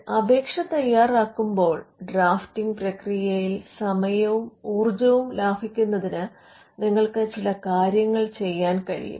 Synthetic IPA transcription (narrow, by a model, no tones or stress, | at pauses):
ɐbʱe̞ːkʂɐt̪ɐjːaːraːkːumbo̞ːɭɖraːftiŋɡprɐkrijɐjilsɐmɐjɐʋumuːrd͡ʑɐʋumlaːbʱikʲːunːɐðinɨ | niŋːɐɭkɨt͡ɕilɐkaːɾjɐŋːɐɭt͡ɕe̞jːaːnkɐɻḭjṵm